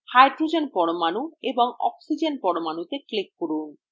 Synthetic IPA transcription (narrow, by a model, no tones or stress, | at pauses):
hajɖɾud͡ʑenpɔɽomanueboŋɔ̰ksid͡ʑenpɔɽomanut̪eklekːoɽun